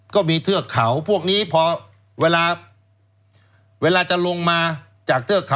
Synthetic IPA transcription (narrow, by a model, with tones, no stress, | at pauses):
kɔː˥˩miː˧t̪ʰɯ˥˩əkʰːa˩˦wpʰu˥˩ək̚niː˦˥pʰɔː˧ | weː˧laː˧ | weː˧laː˧t͡ɕa˨lo˧ŋmaː˧ | t͡ɕaː˨˩k̚t̪ʰɯ˥˩əkʰa˩˦